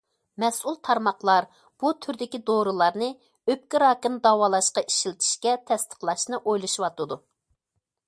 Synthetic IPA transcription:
mɛsulˠt̪ʰɑɾmɑqlˠɑɾ | b̥ut̪ʰyɾd̪ɪkʲid̪oɾɨlˠɑɾnɨ | øp̚kʲiɾɑːkɨnd̪ɑwɑːlˠɑʃqɑʔiʃilt̪ʰi̥ʃkʲɛt̪ʰɛst̪ʰə̥qlˠɑʃnɨʔojlˠɨʃiwɑt̪ɨd̪u

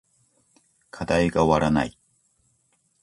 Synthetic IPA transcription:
kʰad̪aiɡaoβaɾana̰i

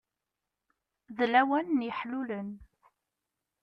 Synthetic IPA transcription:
ðlæwænːjəħlulən

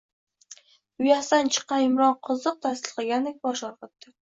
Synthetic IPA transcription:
ʊjast̪ant͡ʃʰɨ̥qːɑnɪmɾɒnqʰɨzɨq̚t̪ʰasɪlˠqɑɡʲand̪ek̚ʲbɒʃɒɾqɨt̪ːɪ

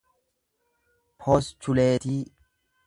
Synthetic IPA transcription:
pʰoːst͡ʃʊleːt̪iː

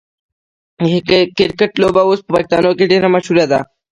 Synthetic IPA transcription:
ɦkkɪɾkəʈloːbaoːspəpakt̪a̰ːnoːkeɖenamaʃuɾjad̪a̰

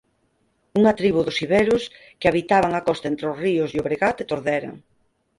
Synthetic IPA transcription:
uŋat̪ɾiβuðʊsiβeɾʊs | keaβit̪aβ̞aŋakɔst̪aent̪ɾeosriʊsjoβɾeɣat̪et̪oɾðɛɾa̰ŋ

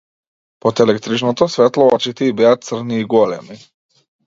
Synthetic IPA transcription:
pɔt̪ɛlɛkt̪ɾit͡ʃnɔt̪ɔsvɛt̪lˠɔɔt͡ʃit̪iibɛat̪̚t̪sr̩niːɡɔlɛmi

